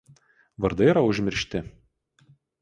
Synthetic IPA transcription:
ʋɐɾd̪ɐɪiɾɐʊʒʲmʲɪɾʲʃʲt̪ʲɪ

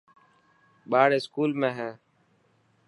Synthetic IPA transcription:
ɓaːɽeːskuːlmẽːɦɛ̃ː

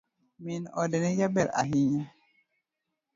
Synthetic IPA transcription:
minɔdɛnɛjabɛɾa̰ɦiɲa

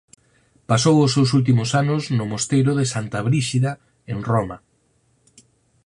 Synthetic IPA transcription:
pasowʊsewsult̪̬imʊsanʊznʊmost̪ejɾʊðɪsant̪aβɾiʃiða | eŋroma

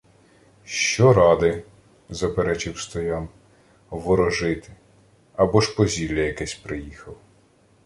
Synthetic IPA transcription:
ʃt͡ʃɔɾɑd̪ɪ | zɐpeɾɛt͡ʃɪwst̪ɔjɑn | ʋɔɾɔʒɪt̪ɪ̥ | ɐbɔʃpɔzʲilʲːɐjɐkɛsʲpɾɪjixɐw

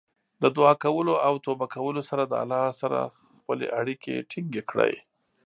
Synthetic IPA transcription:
d̪əd̪wɑkawəloʔawt̪obakawəlosaɾad̪əa̰lːɑsaɾa̰ | xpəlḛʔaɽikḛʈʰiŋɡekɽə̰j

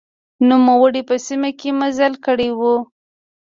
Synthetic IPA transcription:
numawəɽipəsimakemazalkəɽewu

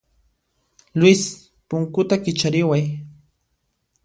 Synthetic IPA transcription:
lwɪs | pʊŋkʊt̪akɪt͡ʃaɾɪwaj

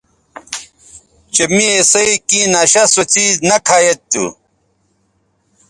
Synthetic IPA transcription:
t͡ɕemiesɐikĩːnaːɕɐsot͡siːznɐkʰaːjet̪ːṵ

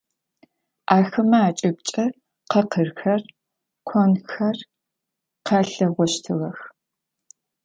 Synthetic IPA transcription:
ʔaːxɨmɐaːt͡ʃʼɪb̚t͡ʃʼɐ | qɐqʰərxɐr | kʷʰɔnxɐr | qɐɬɐʁʷɔʃtʰɨʁɐx

